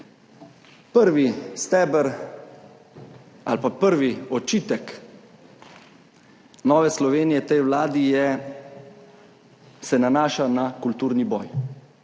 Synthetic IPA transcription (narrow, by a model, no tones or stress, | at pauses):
pəɾʋist̪ɛːbəɾ | a̰lpapəɾʋiɔt͡ʃiːt̪ɛk | nɔːʋɛslɔʋeːnijɛt̪ɛjwlaːd̪ijɛ | sɛnanaːʃanakult̪uːɾnibɔ̰ːj